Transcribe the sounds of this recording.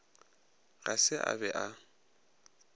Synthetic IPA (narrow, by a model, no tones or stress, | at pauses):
ɣasɪʔa̰bɛʔa